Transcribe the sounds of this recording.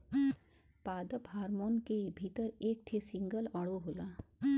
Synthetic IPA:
paːd̪əpɦaːɾmoːnkebʱit̪əɾeːk̚ʈ̪ʰesɪ̃ŋɡəlɔɽoɦoːlaː

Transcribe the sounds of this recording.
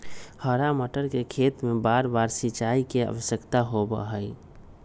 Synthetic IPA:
həɾaməʈəɾkekʰeːt̪mẽbaːɾbaːɾsit͡ʃaːikeə̰ʋəsəkt̪aɦobə̰ɦəi

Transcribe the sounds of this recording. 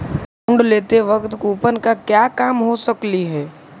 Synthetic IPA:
ʊ̃ɳɖleːt̪eʋɐkt̪kuːpənkakjaːkaːmɦosəkliɦɛː

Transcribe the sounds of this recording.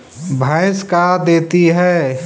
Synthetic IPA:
bʱãɪskad̪eːt̪iɦɛː

